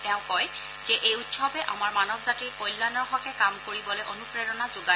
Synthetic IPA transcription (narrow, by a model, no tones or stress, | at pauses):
tɛ̃ʊ̃kɔj | zɛʔejutsɔbɛʔa̰maɹmanɔbzatikɔjlːanɔɹxɔkɛkamkoɹibɔlojʔonupɹeɹɔnazoɡa